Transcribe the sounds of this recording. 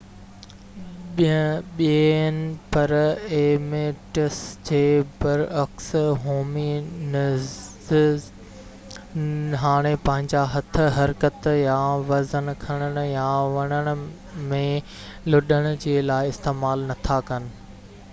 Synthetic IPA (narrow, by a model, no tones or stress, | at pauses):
ɓinɪ̆pɐɾeːmeʈəsd͡ʑeːbɐɾɐksɦoːminɪ | ɦaːɽ̃epɐ̃ɦɪ̃ɲd͡ʑaɦɐt̪ʰɦɐɾkət̪jãʋɐzənkʰɐɽ̃əɽ̃ʊ̆jãʋɐɽ̃əɽ̃ʊ̆ | mẽ | lʊɗəɽ̃ʊ̆d͡ʑeːlaːɪɪst̪eːmaːlnɐt̪ʰakɐnɪ̆